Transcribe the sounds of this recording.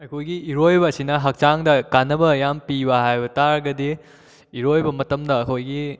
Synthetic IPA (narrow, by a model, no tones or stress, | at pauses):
ɐjkʰojɡiːɾojbɐːsinɐɦɐk̚t͡ʃaŋdɐkanːɐbɐjampibɐɦajbɐtaɾɡɐdi | iɾojbɐmɐtɐmdɐɐkʰojɡi